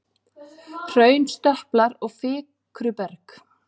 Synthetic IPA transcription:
r̥œːɥnst̪œhplaɾɔɣfɪː | kɾʏpɛɾk

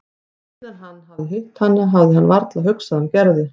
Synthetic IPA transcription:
ɛðaɦanːɦavðɪɦɪht̪hanːaɦavðɪɦanːvaɾt̪laɦʏksaðancɛɾðɪ

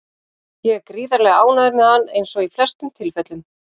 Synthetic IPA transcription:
jɛɣkɾiːðaɾlɛɣaːwnaðʏɾmɛðanːejnsɔɣiflɛst̪ʏmt̪ʰɪlfɛt̪lʏm

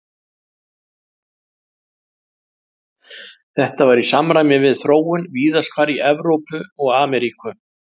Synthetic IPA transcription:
θɛht̪avaɾisamɾaːjmɪvɪðθɾoːwʏnviːðaskʰvaːɾiɛvɾowpʏɔɣaːmɛɾikʏ

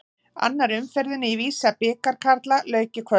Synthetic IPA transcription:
a̰nːaɾʏmfɛɾðʏnɪiviːsapɪːkaɾ̥kʰaɾt̪lalœːɥcɪkʰvœ

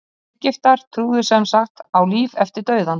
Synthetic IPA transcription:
cɪft̪aɾ̥t̪ʰɾuːðʏsɛmsaxt̪awliːvɛft̪ɪɾt̪œːɥðan

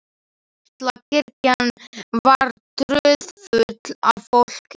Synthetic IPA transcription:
at̪lacʰɪɾcanvaɾt̪ɾœðfʏt̪lavfowl̥k

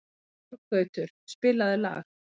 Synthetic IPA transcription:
ɾkœɥt̪ʏɾ̥spɪːlaðɪla̰ːx

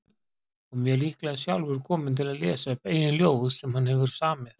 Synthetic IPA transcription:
ɔmjɛlihklɛasjawlvʏɾkʰɔːmɪnt̪ʰɪlaðleːsaœpɛjɪnljoːwvðsɛmhanhɛvʏɾsaːmɪð

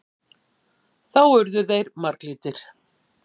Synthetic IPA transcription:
θawœɾðʏðejɾmaɾkliːt̪ɪɾ̥

